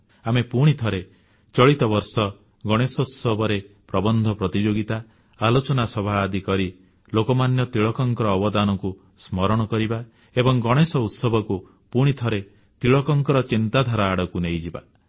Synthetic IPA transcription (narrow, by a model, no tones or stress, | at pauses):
amepuɽ̃it̪ʰɔɾe | t͡ʃɔɭit̪ɔbɔɾsɔ | ɡɔɽ̃esɔut̪sɔbʱɔɾe | pɾɔbɔnd̪ʱɔpɾɔt̪id͡ʒoɡit̪a | alot͡ʃɔnasɔbʱaːd̪ʱikɔɾi | lokɔmanjɔt̪ɾiɭɔkɔŋkɔɾɔːbɔd̪anɔku | smɔɾɔɽ̃ɔkɔɾiba | ebɔŋɡɔɽ̃esɔut̪sɔbʱɔku | puɽ̃it̪ʰɔɾe | t̪ɾiɭɔkɔŋkɔɾɔt͡ʃint̪ad̪ʱaɾaːɽɔkunejd͡ʒiba̰